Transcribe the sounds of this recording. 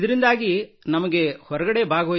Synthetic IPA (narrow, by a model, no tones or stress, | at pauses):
d̪ɐɾind̪aːɡinɐmɐɡe̞hɔɾɐɡɐɽe̞bʱaːɡɐʋoː